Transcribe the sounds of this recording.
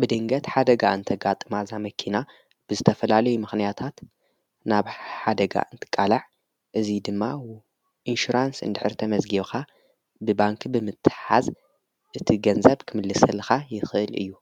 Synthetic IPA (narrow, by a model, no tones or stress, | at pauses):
bɨd̪ɨŋɡɐt̪ħad̪ɐɡaʔɨnt̪ʰɐɡat̪ʼɨmazamɐkʰina | b̥ɨzɨt̪ʰɐfɐlalɐjumɨxnijat̪ʰat̪ | naβħad̪ɐɡa̰ʔɨnt̪ʰɨ̥kʼːalaʕ | ʔɨzid̪ɨmːa | ʔinʃuɾansɨ̰nd̪ɨħɨɾt̪ʰɐmɐzɡiβka | bɨbaŋkʰbɨmɨt̪ʰːɨ̥ħaz | ʔɨt̪ʰiɡɐnzɐβkʰɨmɨlːɨsɐlxajɪxɨʔɨlʔɨ̰jːu